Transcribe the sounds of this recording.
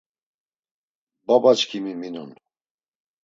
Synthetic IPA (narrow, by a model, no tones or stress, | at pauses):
babat͡ʃkʰimiminṵn